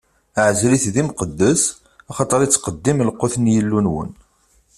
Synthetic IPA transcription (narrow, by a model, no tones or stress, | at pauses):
ʕəzɾiθðimqəd̪ːəs | ɑχɑt̪ˤəɾˤit͡sːqəd̪ːimlqːoθnjəlːunwə̰n